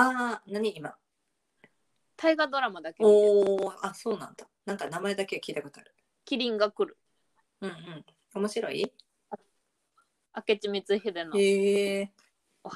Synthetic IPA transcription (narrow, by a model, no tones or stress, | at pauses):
aːnaɲ̟iːma | t̪ʰaiɡad̪o̞ɾamad̪akeoːaso̞ːnã̰nd̪anãŋkanamae̞d̪ake̞kʲiːt̪ako̞t̪oaɾɯ̟ | kʲiɾʲĩŋɡakɯ̟ɾɯ̟ | ɯ̟̃ɴɯ̟̃ɴ | o̞mo̞ɕiɾo̞̰ḭ | a | ake̞t͡ɕimʲit͡sɨhed̪enoe | o